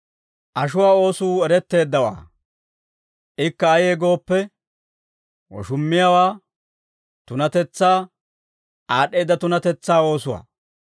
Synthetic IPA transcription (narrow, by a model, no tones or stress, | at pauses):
ʔɐʃʊwaːo̞ːsuːɛɾɛt̪ːe̞ːd̪ːɐwa̰ː | ʔɪkːɐːjeːɡo̞ːpːɛ | wɔ̰ʃʊmːɪjawaː | t̪ʊnɐt̪ɛt͡sːaː | aːɗːe̞jːd̪ːɐt̪ʊnɐt̪ɛt͡sːaːo̞ːsʊwa̰ː